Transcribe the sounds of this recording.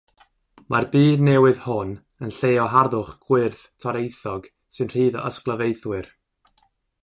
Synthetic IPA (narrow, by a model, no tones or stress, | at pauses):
marbiːdnɛwɨðhʊn | ənɬejɔɦarðʊχɡ̥wɪrθtʰɔɾejθɔɡ | sɨnr̥iːðɔʔəsklˠəvejθwɨr